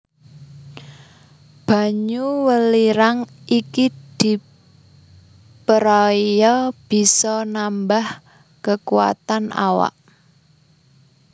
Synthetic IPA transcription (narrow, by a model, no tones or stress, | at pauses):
b̥ä̤ɲuwəliɾaŋ | ikid̪̥i̤ | pəɾɔjɔb̥i̤sɔnambah | kəkuwa̰t̪ana̰wa̰ʔ